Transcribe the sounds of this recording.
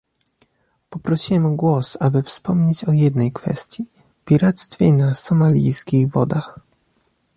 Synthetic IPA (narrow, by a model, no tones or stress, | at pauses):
pɔpɾɔɕiwɛmɡwɔsabɘfspɔmɲet͡ɕɔjɛd̪nɛjkfɛ̰st̪ʲji | pʲiɾat̪st̪fʲjɛnasɔmalʲḭjskʲiɣvɔd̪ax